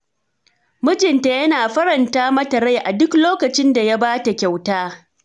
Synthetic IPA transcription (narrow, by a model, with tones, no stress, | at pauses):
mʊ˦d͡ʒɪ˨nta˨jɐ˦naː˨ɸɐ˦ɾɐ˨ntaː˦mɐ˦tɐ˨ɾa˦jʔa˨dʊ˦kloː˦kɐ˨t͡ʃɪ˦nda˨ja˦baː˦ta˨kʲa˨wtaː˦